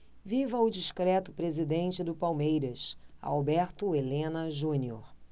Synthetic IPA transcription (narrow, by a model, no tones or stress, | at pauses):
vivɐʊd͡ʒiʃkɾɛt̪ʊpɾezid̪ẽnt͡ʃɪd̪ʊpawmejɾɐsa̰awbɛɾt̪ʊelẽnɐʒũnioɾ